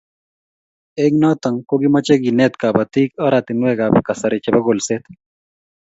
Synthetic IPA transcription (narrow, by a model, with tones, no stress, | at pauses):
e˦ŋnɔ˦t̪a˨ŋko˦ɡi˦ma˦t͡ʃe˦ɡi˨nɛ˦t̪ka˨bat̪i˦kɔ˦ɾat̪ɪ˨nwɛ˦ɡa˨bka˨sa˨ɾɪ˨t͡ʃɛ˨bɐ˦ɡo˨lset̪